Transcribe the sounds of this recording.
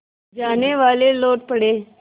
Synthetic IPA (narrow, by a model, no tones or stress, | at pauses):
d͡ʒaːneʋaːleloːʈ̚pɐɽeː